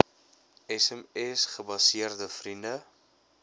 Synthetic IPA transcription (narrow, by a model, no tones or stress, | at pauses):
ɛsɛmɛsχəbɐsiərdəfrində